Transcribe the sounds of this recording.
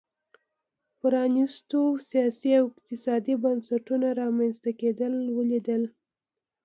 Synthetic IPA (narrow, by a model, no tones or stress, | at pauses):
pɾɑnist̪osijɑsiawɪq̚t̪ɪsɑd̪ibansaʈunaɾɑmanst̪aked̪əlwəlid̪əl